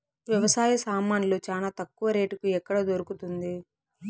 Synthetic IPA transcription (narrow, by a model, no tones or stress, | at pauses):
ʋjɐʋɐsaːjɐsaːmaːnilo̞ːt͡ʃaːlaːt̪ɐkːuʋɐɾe̞ːʈukuɛkːɐɽɐd̪oɾukut̪und̪i